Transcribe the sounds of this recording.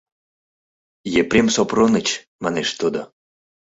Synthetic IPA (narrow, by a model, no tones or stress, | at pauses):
jepɾʲemsopronət͡ɕ | maneʃt̪od̪o